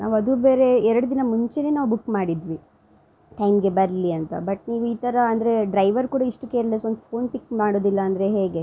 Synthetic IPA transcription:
nʔa̰ːʋuɐd̪ube̞ːɾe̞ɛɾɐɽud̪inɐmuɲt͡ʃene̞ːnaːʋubukːmaːɽid̪ʋi | ʈɐjmɡe̞bɐɾliɐnt̪ɐ̰bɐʈ̚niːʋuiːt̪ɐɾɐɐnd̪ɐɾe̞ɖɾɐjʋɐɾkuːɽɐiʂʈukeːɾlesond̪upʰo̞ːnpikːmaːɽo̞ːd̪ilːɐːnd̪ɾe̞ɦeːɡe̞

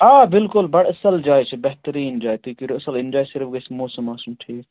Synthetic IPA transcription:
aːbɪlkʊlbɐɽɐsɐld͡ʒaːjt͡ʃʰɐbɛɦt̪əɾiːnd͡ʒaːjt̪iːkiɾɐsəlɪnd͡ʒaːjsɪɾfɡɐsmoːsɐmːaːsumʈʰiːk

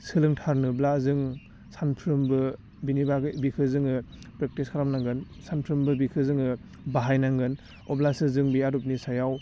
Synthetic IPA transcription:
sɯlɯŋtʰaɾnɯblazɯŋ | sanpʰɾɯmbɯ | binibaɡbikʰɯzɯŋɯ | pɾek̚tiskʰaɾamnaŋɡɯn | sanpʰɾɯmbɯbikʰɯzɯŋɯ | baɦajnaŋɡɯn | ɔblasɯzɯŋbiaɾup̚nisajaw

